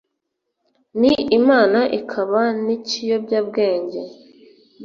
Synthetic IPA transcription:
niimaːnaʔikʰaβanicijo̞bɟaːb̚ɡe̞ːɲɟe

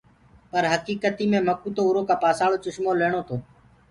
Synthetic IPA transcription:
pəɾɦəkiːkət̪iːmẽːməkuːt̪oːuːɾoːkaːpaːsaːɭoːt͡ʃʊʃmoːleːɳ̃oːt̪ʰoː

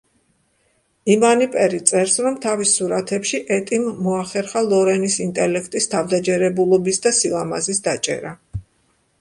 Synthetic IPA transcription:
imanipʼɛɾit̪sʼɛɾsɾɔmt̪ʰavisuɾat̪ʰɛpʃiʔɛt̪ʼimːɔaχɛɾχalˠɔɾɛnisint̪ʼɛlɛkʰt̪ʼist̪ʰavd̪ad͡ʒɛɾɛbulˠɔbisd̪asilˠama̰zisd̪at͡ʃʼɛ̰ɾa

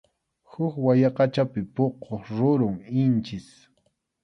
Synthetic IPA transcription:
hʊkwajɑqɑt͡ʃapɪpoqoχɾʊɾʊŋɪnt͡ʃɪs

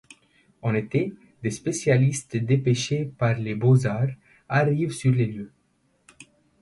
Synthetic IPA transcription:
ɑ̃net̪e | d̪espesjalist̪d̪epeʃepaʁlebozaʁ | aʁivsyʁleljø

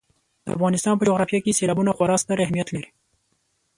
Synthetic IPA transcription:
d̪̥əa̰fɣɑnɪst̪ɑnpəd͡ʒoɣɾɑfjakeselɑbunaxwaɾɑst̪aɾahmijat̪laɾi

